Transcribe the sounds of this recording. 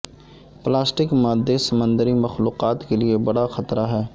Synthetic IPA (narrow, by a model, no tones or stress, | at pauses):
plaːsʈɪkmaːd̪ːesɐmə̃nd̪əɾimɐxluːqaːt̪keliebɐɽaxɐt̪ɾaɦɛː